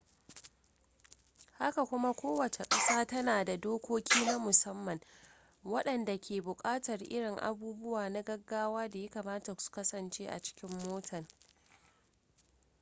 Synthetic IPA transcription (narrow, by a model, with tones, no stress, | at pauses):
ha˦ka˨kʷʊ˦ma˦kʷoː˦wɐ˨t͡ʃe˨kʼɐ˦saː˦tɐ˦naː˨da˨doː˦kʷoː˦kʲʰiː˦na˦mʊ˨sɐ˦mːɐ˨ŋ | wɐ˦ɗɐ˨nda˨kʲʰeː˨bʊ˨kʼaː˦tɐ˨rʔɪ̰˦ɽɪ˨ŋʔa̰˨buː˦bʊ˦waː˨na˦ɡɐ˦ɡːaː˦waː˦da˨ja˦kaː˨maː˦ta˨su̥˨kɐ˦sɐ˨nt͡ʃeː˦ʔa̰˨t͡ʃɪ̥˦kʲɪ˦mːoː˦tʰɐ˨ŋ